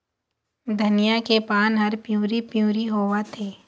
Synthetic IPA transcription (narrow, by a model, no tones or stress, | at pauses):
d̪ʱɐnijakepaːnɦɐɾpjuːɾipjuːɾiɦoːwat̪ʰeː